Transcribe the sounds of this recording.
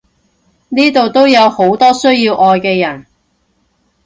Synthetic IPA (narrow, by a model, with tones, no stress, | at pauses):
niː˥t̪o˨wt̪o˥wjɐ˨˧who˨˥wt̪ɔː˥sɵ˥ɥjiː˧wʔɔː˨˧jkɛː˧jɐ˨˩n